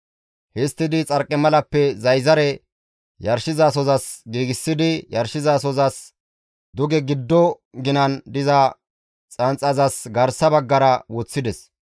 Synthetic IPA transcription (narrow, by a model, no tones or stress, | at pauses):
hɪst̪ːɪd̪ɪt͡sʼɐɾkʼːɛmɐlɐpːɛzɐjzɐɾɛ | jɐɾʃɪzaːs̬ɔzɐsɡiːɡɪsːɪd̪ɪjɐɾʃɪzaːs̬ɔzɐs | d̪ʊɡɛɡɪd̪ːɔ | ɡɪnɐnd̪ɪzɐ | t͡sʼɐnt͡sʼɐzɐsɡɐɾsɐbɐɡːɐɾɐwɔt͡sːɪd̪ɛs